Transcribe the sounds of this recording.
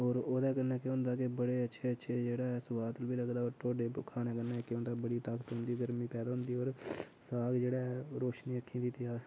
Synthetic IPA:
oːɾoːd̪ɛːkənɛːkeʊ̃nd̪aːk̬ebəɽeːətːʃʰeːətːʃʰeːd͡ʒeːɽaːɛːsʊʋaːt̪əlbiːləɡd̪aːoːɾʈoːɖeːkʰaːneːkənːɛːkːnd̪aːbəɽiːt̪aːkt̪ɦʊ̃nd̪iːɡəɾmĩːpɛːd̪aːɦʊnd̪iːoːɾsaːɡd͡ʒeːɽaːɾoːʃniːəkʰːĩːd̪it̪ɪjaː

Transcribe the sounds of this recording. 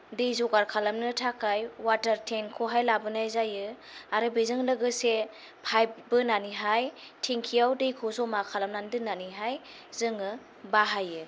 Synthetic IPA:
dejzɔɡaɾkʰalamnɯtʰakʰajwataɾtʰenkʰoɦajlabɯnajzajɯ | aɾɯbizɯŋlɯɡɯse | pʰajbɯnaniɦaj | tʰiŋkʰijawdejkʰosɔmakʰalamnandɯnaniɦaj | zɯŋɯ | baɦajɯ

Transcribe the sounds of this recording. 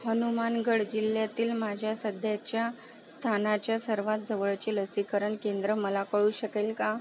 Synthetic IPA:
ɦənumanɡəɽd͡ʑiljat̪iːlmad͡ʑʱjasəd̪ʱjat͡ɕja | st̪ʰanat͡ɕjasəɾʋat̪̚d͡zəʋəɭt͡ɕeləsikəɾəɳkend̪ɾəməlakəɭuːɕəkelka

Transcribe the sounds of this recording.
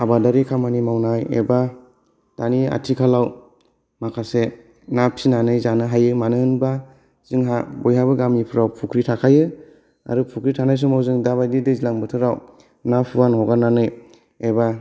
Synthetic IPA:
abadaɾikʰamanimawnajḛba | tania̰tʰikʰalaw | makʰase | napʰsinanɯjzanɯɦajɯmanɯnba | z̥ɯŋɦabɔjɦabɯɡamipʰɯɾawpʰukʰɾitʰakʰajɯ | a̰ɾɯpʰukʰɾitʰanajs̬umawzɯŋdabajdidezilaŋbɯtʰɯɾaw | napʰɯwanhɔɡananɯj | eba

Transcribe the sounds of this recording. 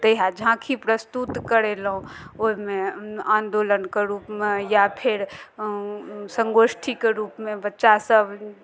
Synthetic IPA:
t̪əjɦad͡ʒʱãkʰipɾəst̪ut̪kəɾelɦũoɦimeãnd̪olənkeɾupmejapʰeɾ | səŋɡosʈʰikeɾupmebətːʃasəb

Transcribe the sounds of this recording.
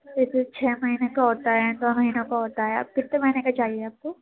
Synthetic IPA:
eset͡ʃʰɛːmɐɦinekaɦoːt̪aɦɛd̪oːmɐɦiːnõkaɦoːt̪aɦɛa̰ːp̚kɪt̪ːemɐɦiːnekat͡ʃaːɦieaːp̚ko

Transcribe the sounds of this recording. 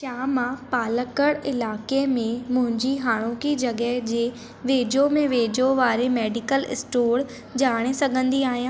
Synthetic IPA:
ʃaːmãpaːləkəɽɪlaːkemẽmʊ̃ɦɪ̃ɲd͡ʑiɦaːɽ̃oːkid͡ʑɐɡɛɦd͡ʑeː | ʋeːd͡ʑomẽʋeːd͡ʑoʋaːɾemeːɖɪkəlɪ̰sʈoːɽ | d͡ʑaːɽ̃esɐɡʱə̃nd̪iaːɦijã

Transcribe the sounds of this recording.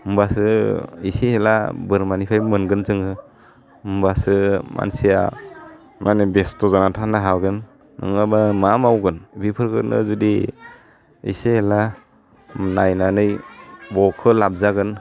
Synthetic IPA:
mbasɯisehelabɯɾmanipʰajmɯnɡɯnzɯŋʰɯ | mbasɯma̰nsija̰ | mʔanɯbestɔzanatʰanaɦaɡɯnː | ɯ̰ŋabamamawɡɯnbipʰɯɾkɯnɯ̰zudi | ḭsehela | najnanɯjbɔkʰɯlap̚zaɡɯn

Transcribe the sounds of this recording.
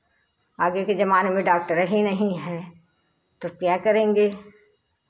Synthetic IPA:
aːɡeked͡ʒɐmaːnemẽɖaːk̚ʈəɾɦinɐɦĩɦɛː | t̪okjaːkɐɾẽːŋɡeː

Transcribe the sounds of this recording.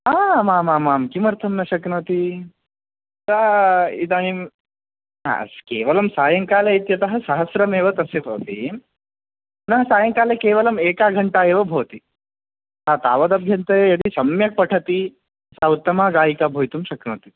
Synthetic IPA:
aːmaːmaːmaːmkimɐɾt̪ʰɐmnɐʃɐknɐt̪i | t̪aid̪aːnim | a̰ɐ̰skeːʋɐlɐmsaːjɐŋkaːleit̪jɐt̪ɐɦɐ̆sɐɦɐsɾɐmeːʋɐt̪ɐsepɐːt̪ḭ | nɐɦɐsaːjɐŋkaːlekeːʋɐlɐmeːkaːɡʱɐɳʈaːeːʋɐbʱɐʋɐt̪i | aːt̪aːʋɐd̪ɐbʱjɐnt̪ɐjejɐt̪isɐmjɐk̚pɐʈʰɐt̪i | saːwut̪ːɐmaːɡaːjikaːbʱoːjt̪umʃɐknɐt̪i̥

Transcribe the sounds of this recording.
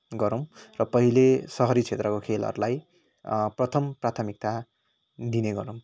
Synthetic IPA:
ɡʌɾʌw̃rʌpʌɦilesʌɦʌɾit͡sʰet̪rʌkokʰelʌ̰ɾulaj | prʌt̪ʰʌmprat̪ʰʌmik̚t̪a | d̪ineɡʌɾow̃

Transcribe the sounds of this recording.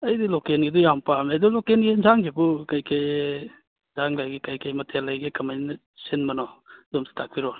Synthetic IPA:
ɐjdilɔkenɡidɔjampamedɔlɔkenɡenzaŋɡebukajkej | zaŋlajɡekajkejmɐtʰelajɡekɐmajnɐ | sinmɐnɔzɔmsi̥tʰak̚piɾɔ

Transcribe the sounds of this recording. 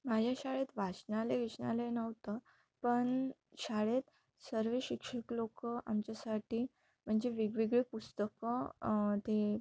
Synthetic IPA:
mad͡ʑʱaɕaɭet̪ʋat͡ɕnaleʋit͡ɕna̰lenəʋt̪ə | pəɳ | ɕaɭet̪ | səɾʋeɕikʂəklokəʔa̰mt͡ɕjasaʈiː | m̤əɳd͡ʑeʋiɡʋiɡɭepust̪əkət̪e

